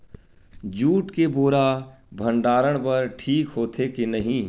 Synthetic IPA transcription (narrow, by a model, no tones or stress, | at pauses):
d͡ʒuːʈkeboːɾa | bʱɐ̃ɳɖaːɾəɽ̃pɐɾʈʰiːkɦoːt̪ʰekenɐɦĩː